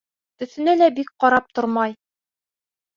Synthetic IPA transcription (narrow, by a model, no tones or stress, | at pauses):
t̪ɵ̆θɘ̆nælæbik̚qɒɾɑp̚t̪oɾmɑj